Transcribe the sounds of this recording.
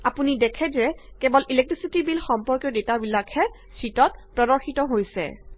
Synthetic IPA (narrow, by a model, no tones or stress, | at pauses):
apunidɛkʰɛzɛkɛbɔlilɛk̚tɹisitibilxɔmpɔɹkjɔdetabilakʰɛ | sitɔt̚pɹɔdɔɹxitɔɦojsɛ̰